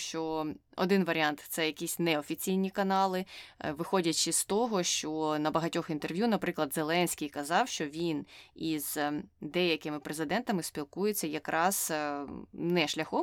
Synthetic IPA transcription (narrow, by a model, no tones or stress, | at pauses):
ʃt͡ʃɔɔ̰d̪ɪnʋɐɾʲɪɑnt̪t̪sɛjɐkʲisʲnɛɔfʲit͡sʲijnʲikɐnɑlˠɪʋɪxɔdʲɐt͡ʃɪst̪ɔɦɔʃt͡ʃɔnɐbɐɦɐtʲɔxint̪erʋjunɐpɾɪklˠɐd̪zelˠɛnʲsʲkʲijkɐzɑwʃt͡ʃɔʋʲiniz̥d̪ɛjɐkɪmɪpɾezɪd̪ɛnt̪ɐmɪspʲilˠkujet͡sʲːɐjɐkɾʔɑz̥ | nɛʃlʲɐxɔ